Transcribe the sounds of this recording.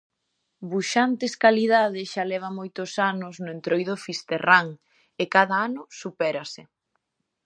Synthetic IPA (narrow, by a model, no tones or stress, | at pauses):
buʃant̪eskaliðaðɪʃalɛβ̞ɐmojt̪ʊsanʊznʊent̪ɾojðʊfist̪eraŋ | ekaðɐanʊsupɛɾasɪ